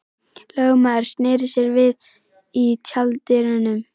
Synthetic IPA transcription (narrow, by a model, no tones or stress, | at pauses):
lœwmaːɾ̥sneːɾɪseɾvɪð | it͡ɕʰalt̪ɪɾɪnʏm